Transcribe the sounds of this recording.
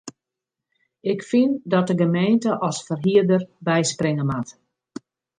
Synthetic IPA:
ɪkfindɔt̚dəɡəmeːntəʔɔsfərɦiədərbɛjsprɪŋəmat

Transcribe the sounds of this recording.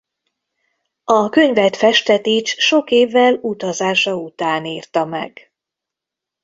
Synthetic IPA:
ɒkø̞ɲvɛt̪fɛʃt̪ɛt̪iːt͡ʃʃo̞keːvːɛlut̪ɒzaːʃɒut̪aːniːrt̪ɒmɛ̰ɡ̥

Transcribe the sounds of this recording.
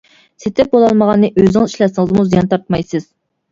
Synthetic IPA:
set̪ʰɛp̚bolˠɑlˠməʁɑnːɨʔøznɪŋiʃlɛsɪŋəzmuzijɑnt̪ʰɑɾt̪mɑjsɨz̥

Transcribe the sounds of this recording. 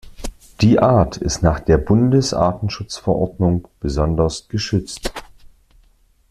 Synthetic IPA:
d̥iːʔaːɐtʰɪ̰stnaːχd̥eːɐbʊndəsʔa̰ːtn̩ʃʊt͡sfɛɐʔɔɐdnʊŋb̥əzɔndɐsɡ̥əʃʏt͡st

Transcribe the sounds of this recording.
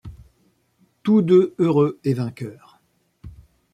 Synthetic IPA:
t̪ud̪øøʁøevɛ̃kʲœːʁ

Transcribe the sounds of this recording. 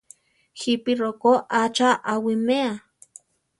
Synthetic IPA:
xipirokoʔat͡ʃaʔawimea

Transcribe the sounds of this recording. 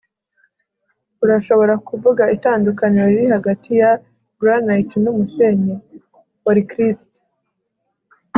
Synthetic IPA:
uɾaʃo̞βo̞ɾakuvuɡaitaːndukaɲeoiɾihaɡatija | ɡɾanajtnumuseɲe | waɾikɾisto̥

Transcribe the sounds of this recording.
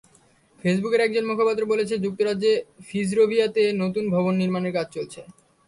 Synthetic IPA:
fes̬bukeɾɛk̚d͡ʑonmukʰapat̪ːɾobolet͡ɕʰed͡ʑuk̚t̪oɾadd͡ʑefisɾobʱiat̪enot̪unbʱɔbonːiɾmaneɾkad͡ʑʰʱt͡ɕolt͡ɕʰe

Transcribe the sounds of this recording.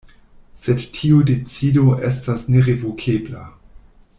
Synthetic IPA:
sedtʰiudet͡sidoʔestasneʁevokʰebla

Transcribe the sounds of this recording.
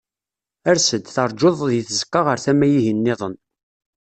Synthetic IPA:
æɾsəd̪θɑɾˤd͡ʒoðˤðjiθəzə̥kːɑʁəɾθæmæjiɦənːɪðˤən

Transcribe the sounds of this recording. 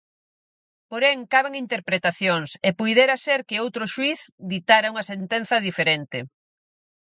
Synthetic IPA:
poɾeŋkaβeŋint̪eɾpɾet̪aθjoŋsepujðeɾaseɾkɪowt̪ɾʊʃwiθd̪it̪aɾauŋɐsent̪enθɐðifeɾent̪ɪ

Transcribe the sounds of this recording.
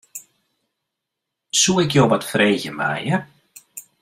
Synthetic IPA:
suɪkjowʋatfreːɣəma̰ə

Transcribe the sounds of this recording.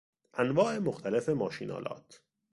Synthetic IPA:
ʔænvɒːʔe̞moxt̪ʰæle̞fe̞mɒːʃiːnʔɒ̰ːlʔɒ̰ːt̪ʰ

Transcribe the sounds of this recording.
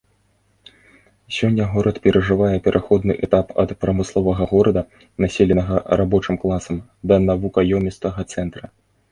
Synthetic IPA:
sʲɔnʲːɐɣɔɾɐt̪pʲɛɾʔɐʐɨvajɛpʲɛɾʔaxɔd̪nɨʔɛt̪apɐ̰t̪pɾɐmɨslˠɔvɐɣɐɣɔɾɐd̪ɐ | nasʲelʲɛnɐɣɐɾʔabɔt͡ʂɨmklˠasɐm | d̪ɐnavukɐjɔmʲit̪st̪vɐɣɐt̪sɛnt̪ɾɐ

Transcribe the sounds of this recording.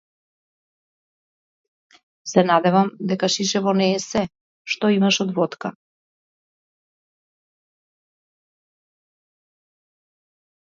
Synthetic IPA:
sɛnad̪ɛvamd̪ɛkaʃiʃɛvɔnɛːsɛ | ʃt̪ɔimaʃɔd̪vɔt̪ka

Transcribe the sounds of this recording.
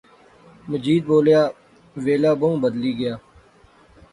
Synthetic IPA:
məd͡ʒiːd̪̚boːljaː | ʋeːlaːbõbəd̪liːɡəjaː

